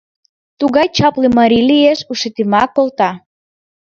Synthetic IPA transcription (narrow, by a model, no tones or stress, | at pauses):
t̪uɣɑjt͡ɕɑplemɑɾilijeʃuʃet̪imɑkːolt̪ɑ